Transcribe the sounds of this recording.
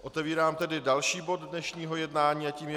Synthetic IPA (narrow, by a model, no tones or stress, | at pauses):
ʔo̞t̪ɛviːɾaːmt̪ɛdɪdalʃiːbo̞ddnɛʃɲiːɦo̞jɛdnaːɲiːaciːmjɛ